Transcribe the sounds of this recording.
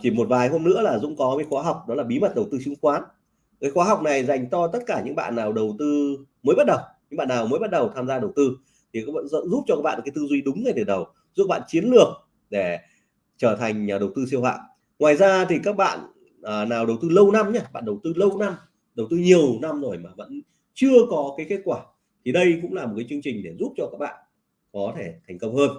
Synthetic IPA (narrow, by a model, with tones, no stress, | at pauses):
t͡ɕi˧˩mo˨˩t̚vaː˨˩jɦo˧mnɨ̰˧˥əlaː˨˩zʊ̰˧˥ŋ͡mkɔ˨˦kaː˨˦jxwaː˨˦ɦa˨˩wk͡p̚ɗɔ˨˦laː˨˩ɓi˨˦mə˨˩t̚ɗə˨˩wt̪ɨ˧sɨ˨˦ŋkwaː˨˦n | kaː˨˦jxwaː˨˦ɦa˨˩wk͡p̚na˨˩jza˨˩jŋ̟t͡ɕɔ˧t̪ə˦˥t̚kaː˧˩ɲɨ̰˧˥ŋɓa̰ː˧˨nːaː˨˩wɗə˨˩wt̪ɨ˧ | məː˨˦jɓt̚ɗə˨˩wɲɨ̰˧˥ŋ͡mɓa̰ː˧˨nːaː˨˩wməː˨˦jɓa˦˥t̚ɗə˨˩wt̪ʰaː˧mzaː˧ɗə˨˩wt̪ɨ˧ | t̪ʰi˨˩kaː˦˥kɓa̰ː˧˨n̰˧nzu˦˥p̚t͡ɕɔ˧kaː˦˥ɓa̰ː˧˨˩kaː˨˦t̪ɨ˧zwi˧ɗʊ˨˦ŋ͡mŋa˨˩jt̪ʰe˧˩ɗə˨˩w | zu˦˥ək̚ɓa̰ː˧˨nt͡ɕi˨˦ənlɨ˨˩ək̚ | ɗe˧˩ | t͡ɕəː˧˩t̪ʰa˨˩ŋ̟ɲaː˨˩ɗə˨˩wt̪ɨ˧si˧wa̰ː˧˨ʔ | ŋwaː˨˩jzaː˧t̪ʰi˨˩kaː˦˥k̚ɓa̰ː˧˨n | ʔːnaː˨˩wɗə˨˩wt̪ɨ˧lə˧wna˧mɲaː˧ɓa̰ː˧˨nɗə˨˩wt̪ɨ˧lə˧wna˧m | ɗə˨˩wt̪ɨ˧ɲi˨˩əwna˧mzo˨˩jmaː˨˩və̰˧˥n | t͡ɕɨ˧əkɔ˨˦kaː˨˦jke˦˥t̚kwaː˧˩ | t̪ʰi˨˩ɗə˧jkʊ̰˧˥ŋ͡mlaː˨˩mo˨˩t̚kaː˨˦t͡ɕɨ˧əŋt͡ɕï˨˩ŋ̟ɗe˧˩zu˦˥p̚t͡ɕɔ˧kaː˦˥k̚ɓa̰ː˧˨n | kɔ˨˦t̪ʰe˧˩t̪ʰɛ˨˩ŋ̟kə˧wŋ͡mhəː˧n